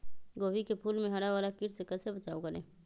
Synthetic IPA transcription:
ɡoːbikepʰuːlmẽɦɐɽaʋaːlakɪɾsekɛsebɐt͡ʃaːokɐɾḛ̃ː

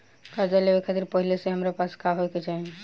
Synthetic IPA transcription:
kaɾd͡ʒalebekʰat̪iɾpɔɦileseɦamɾapaskaɦojket͡ʃaj

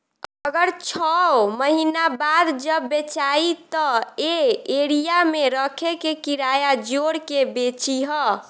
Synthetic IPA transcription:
əɡəɾt͡ʃʰɔməɦinabad̪d͡ʒəbːet͡ʃait̪ɔeeɾijameɾəkʰekekiɾajad͡ʒoɽkebet͡ʃiɦɔ

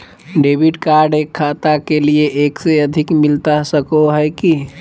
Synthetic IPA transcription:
ɖebʱiʈkaɾɖekʰːat̪akelieʔekseəd̪ʱikmilt̪asəkoɦəjki

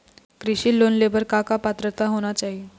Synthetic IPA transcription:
kɾiɕiːlonlebəɾkakapat̪ɾət̪aɦoɽ̃at͡ɕaɦi

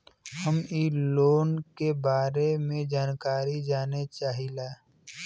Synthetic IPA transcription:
həmiːloːnkebaːɾemẽd͡ʒaːnkaːɾid͡ʒaːnet͡ʃaːɦilaː

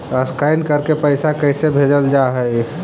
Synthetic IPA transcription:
əskaɪnkəɾkepəɪsakəsebʱed͡ʒəld͡ʒaɦəj

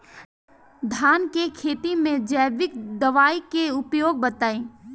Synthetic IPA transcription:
d̪ʱaːnkekʰeːt̪imẽd͡ʒəːʋɪkd̪ɐʋaːikeʊpjoːɡ̚bət̪aːẽː

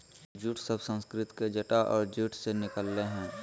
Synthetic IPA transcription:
d͡ʒuʈʰsəbsə̃nskɾɪt̪ked͡ʒəʈaʔɔːɾd͡ʒuʈʰsenɪkəlːeɦɛ̃ː

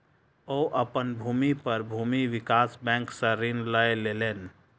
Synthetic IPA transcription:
ɔːʔəpənbʱuːmipəɾbʱuːmiʋɪkaːsbɛ̃ːŋksəɾinləeleleːn

